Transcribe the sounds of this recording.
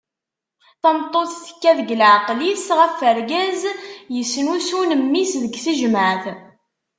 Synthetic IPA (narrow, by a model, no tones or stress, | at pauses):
θæmt̪ˤːoθθə̥kːæðəɡəlʕqlisʁəfːəɾɡæzjəsːnusunəmːisðəɡθəʒməʕθ